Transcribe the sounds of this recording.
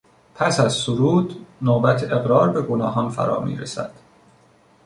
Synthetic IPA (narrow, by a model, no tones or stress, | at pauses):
pʰæsæzsoɾuːd̪noːbæt̪ʰeeɣɾɒːɾbe̞ɡonɒːɦɒnfæ̰ɾɒ̰ːmḭːɾḛsæ̰d̪̥